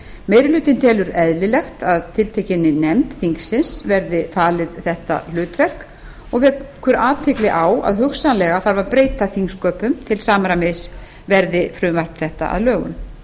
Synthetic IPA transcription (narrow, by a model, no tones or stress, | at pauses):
meːjɾɪlʏːt̪ɪnt̪ʰɛːlʏɾɛðlɪlɛxt̪aðt̪ʰɪlt̪ʰejcɪnːɪnɛmt̪θiŋksɪnsvɛɾðɪfaːlɪðθɛht̪a̰l̥ʏːt̪vɛr̥k | ɔɣvɛðkʰœɾaːt̪ʰeklɪʔawa̰ðɦʏxsanlɛɣaθaɾvaɾpɾeːjt̪aθiŋskœːpʏmt̪ʰɪlsaːmaɾamɪs | vɛɾðɪfɾʏːmvar̥pnθɛht̪a̰ʔa̰ðlœːɣʏ̰m